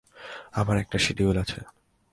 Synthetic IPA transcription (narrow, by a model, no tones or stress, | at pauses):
amaɾɛk̚ʈaʃiʈibolat͡ɕʰe